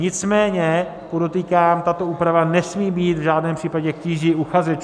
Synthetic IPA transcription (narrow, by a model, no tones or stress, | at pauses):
ɲɪt͡smɛːɲɛ | podo̞t̪iːkaːmt̪at̪o̞uːpɾavanɛsmiːbiːt̪vʒaːdnɛːmpr̥iːpaɟɛkciːʒiuxazɛt͡ʃ